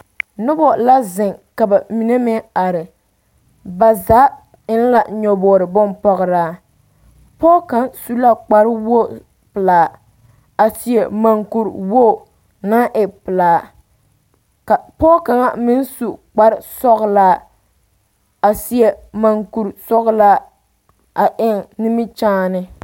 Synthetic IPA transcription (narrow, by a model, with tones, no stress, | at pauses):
nʊ˦bɔ˨la˦zɪ˨ŋka˨ba˨mi˨ne˦mɛ˦a˨ɾɪ˨ | ba˨zaː˨˦ | ɪ˦n˦la˨ɲɔ˨bɔː˨ɾɪ˨bʊ˦npɔ˦ɣɨ˨ɾaː˦ | pɔː˦ka˦nsu˦la˦k͡pa˦ɾwo˦ | pɨ˨laː˨ | a˨si˨e˨ma˨ŋku˨ɾwo˦˨ | na˦ʔɪ˨pɨ˨laː˨ | ka˨pɔ˦ka˨ŋa˦mɪ˦n˦su˨k͡pa˦ɾɪ˦sɔ˦ɣlaː˦ | a˨si˨ɛ˨ma˨ŋku˨ɾsɔ˦ɣʊ˦la˦ | a˨ʔɪ˦ŋnɪ˦mɪ˦t͡ʃaː˦nɪ˦